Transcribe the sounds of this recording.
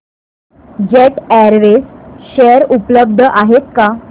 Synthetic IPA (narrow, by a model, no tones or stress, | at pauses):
d͡ʑeʈæɾʋesɕeɾupləb̚d̪ʱəʔaɦet̪̚ka